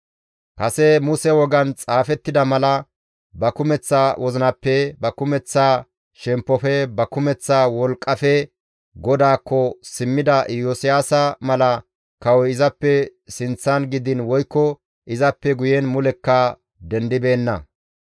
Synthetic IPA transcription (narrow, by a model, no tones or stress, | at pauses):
kɐsɛmʊsɛwɔɡɐnt͡sʼaːfɛt̪ːɪd̪ɐmɐlɐ | bɐkʊmɛt͡sːaːwʔɔzɪnɐpːɛbɐkʊmɛt͡sːaː | ʃɛmpːɔfɛbɐkʊmɛt͡sːaːwɔlkʼːɐfɛ | ɡɔd̪aːkːɔsɪmːɪd̪ɐjosɪjaːsɐmɐlɐ | kɐwɔɪzɐpːɛsɪnt͡sːɐnɡɪd̪ɪnwɔjkːɔ | ʔɪzɐpːɛɡʊjɛnmʊlɛkːɐ | d̪ɛnd̪ɪbe̞ːnːɐ̰